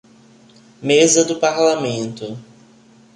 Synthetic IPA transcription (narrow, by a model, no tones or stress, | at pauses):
mezɐd̪ʊpaɾlamẽnt̪ʊ